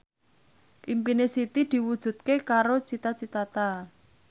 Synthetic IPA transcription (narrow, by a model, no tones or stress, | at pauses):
ʔimpinesit̪id̪̥i̤wud̥ʒ̥ṳt̪̚kekaɾot͡ʃit̪at͡ʃit̪at̪a